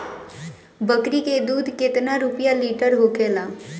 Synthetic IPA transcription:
bəkɾiked̪uːd̪ʱkɪt̪naɾʊpjaliːʈəɾɦoːkʰeːlaː

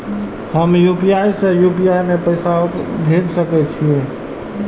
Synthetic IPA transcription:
həmjupiaisejupiajmepəɪsaobʱeːd͡ʒsəkɛt͡ʃʰiẽ

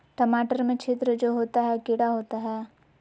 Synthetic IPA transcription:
ʈɐmaːʈəɾmẽt͡ʃʰeːt̪ɾəd͡ʒoːɦoːt̪aɦɛkɪɽaɦoːt̪aɦɛː

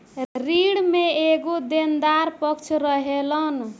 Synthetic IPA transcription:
riɽmeeɡod̪end̪aɾpʌkt͡ʃʰɾʌɦelʌn

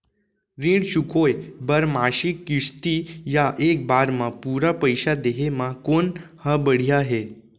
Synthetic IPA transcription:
ɾiːɳɕukojbəɾmaɕikːiʂt̪ijaʔek̚baɾmapuɾapəjɕad̪eɦemakonhəbəɽ̤ijaɦe

